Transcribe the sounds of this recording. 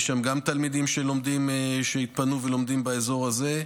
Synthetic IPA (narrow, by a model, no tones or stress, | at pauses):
ʃamɡamt̪almid̪imʃelo̞md̪imʃeit̪̚panuvelo̞md̪imbaezo̞ʁaze̞